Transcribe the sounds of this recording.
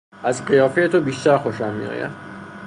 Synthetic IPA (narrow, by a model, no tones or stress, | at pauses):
æzɢijɒːfejet̪ʰobiːʃt̪æɾxo̞ʃæmːḭjɒ̰ːjæ̰m